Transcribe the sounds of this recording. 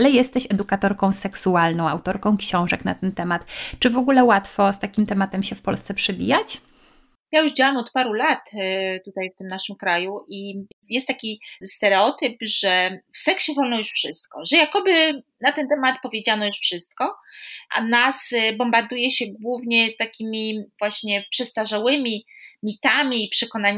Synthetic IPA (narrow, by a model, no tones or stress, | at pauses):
lɛjɛst̪ɛɕɛd̪ukat̪ɔɾkɔ̃w̃sɛksualnɔ̃w̃a̰wt̪ɔɾkɔ̃w̃kɕɔ̃w̃ʐɛkna̰t̪ɛnt̪ɛmat̪t͡ʂɘvɔɡulɛwat̪fɔst̪akʲimt̪ɛmat̪ɛmɕɛfpɔlst̪sɛpʂɛbʲḭjat͡ɕ | jajuʐd͡ʑawamɔt̪paɾulat̪t̪ut̪ajft̪ɘmnaʂɨmkɾajuʔijɛst̪ːakʲist̪ɛɾɛɔt̪ɘpʐɛfsɛkɕɛvɔlnɔjuʂfʂɘst̪̚kɔʐɛjakɔbɘ | nat̪ɛnt̪ɛmat̪pɔvʲjed͡ʑanɔjuʂfʂɘst̪kɔʔa̰nasbɔmbaɾd̪ujɛɕɛɡwuvɲɛt̪akʲimʲivwaɕɲɛpʂɛst̪aʐawɘmʲimʲit̪amʲiːpʂɛkɔnaɲ